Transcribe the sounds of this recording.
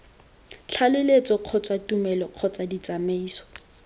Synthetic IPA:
t͡ɬʰalɪlet͡sɔq͡χʰɔt͡sʼatumɛlɔq͡χʰɔt͡sadit͡sameiːsɔ̥

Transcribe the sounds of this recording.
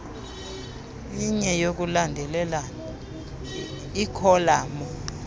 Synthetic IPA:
iɲɛjok̬ulandʱɛlɛlana | ikʰɔlaːmɔ

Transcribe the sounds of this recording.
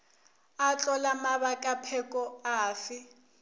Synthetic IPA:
at͡ɬʼɔlamaβakʼapʰɛkʼɔaːfɪ

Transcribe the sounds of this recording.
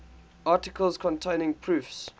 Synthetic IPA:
ʔɑˑtɪkʰəlˠz̥kʰɔ̃ntʰẽɪnɪ̃ŋpʰɹʉːˑfs

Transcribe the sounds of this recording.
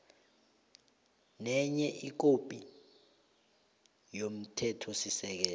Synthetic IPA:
nɛɲɛʔik̬opʼi | jom̩tʰɛtʰɔsisɛk̬ɛːl

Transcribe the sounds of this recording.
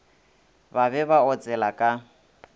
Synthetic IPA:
baβɛβaɔt͡sʼɛlakʼa

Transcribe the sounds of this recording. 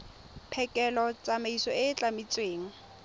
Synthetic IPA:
pʰɛkʼɛlɔt͡sʼamaisɔɪt͡ɬʼamit͡sʼweːŋ̩

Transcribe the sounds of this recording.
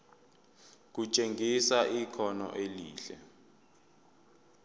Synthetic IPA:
k̬ut͡ʃʼeŋʱisaʔikʰɔnɔ̰ʔeliːɬɛ̰

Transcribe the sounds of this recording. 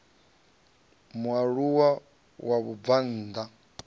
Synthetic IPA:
mwaɺuwa | waβuvan̩ːd̪a

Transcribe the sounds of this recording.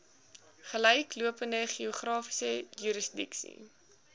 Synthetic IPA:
χələjkluəpəndəχiuχrɑːfi̥səjyɾəsdḭksḭ

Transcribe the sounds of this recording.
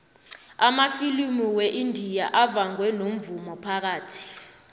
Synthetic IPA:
amafilimiwɛʔindʱijaʔavaŋwɛnom̩vumɔpʰak̬aːtʰi̥

